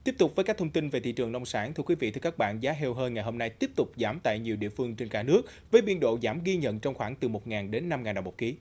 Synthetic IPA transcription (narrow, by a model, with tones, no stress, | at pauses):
t̪i˦˥əp̚t̪k͡p̚vəː˨˦kaː˦˥k̚t̪ʰwŋ͡mt̪i˧nve˨˩t̪ʰḭ˧˨t͡ɕɨ˨˩əŋnɔ˧wŋ͡msaː˨˦nt̪ʰɨ˧əkwi˨˦vḭ˧˨t̪ɨ˧kaː˦˥k̚ɓa̰ː˧˨nzaː˨˦ɦɛ˧wɦəː˧jŋa˨˩jɦo˧mna˧jt̪i˦˥əp̚t̪ʊ˨˩k͡p̚zaː˧˦mt̪a̰ː˧˨jɲi˨˩əwɗḭ˧˨əfɨ˧əŋt͡ɕe˧nkaː˧˩nɨ˦˥ək̚ | vəː˨˦jɓi˧ənɗo̰˧˨zaː˧˩mɣi˧ɲə̰˧˨nt͡ɕɔ˧wŋ͡mxwaː˧˩ŋt̪ɨ˨˩mo˨˩t̚ŋaː˨˩nɗe˨˦nːa˧mŋaː˨˩nɗŋ͡mmo˨˩t̚ki˨˦